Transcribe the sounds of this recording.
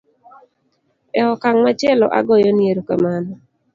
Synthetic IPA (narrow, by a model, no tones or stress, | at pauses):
ɛɔkaŋmat͡ʃelɔ̰ʔa̰ɡɔjɔnjeɾokamanɔ